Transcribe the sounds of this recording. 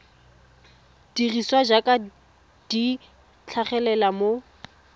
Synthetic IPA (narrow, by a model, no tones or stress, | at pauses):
d̥iriswad͡ʒakʼa | d̥i | t͡ɬʰaχɛlɛlamo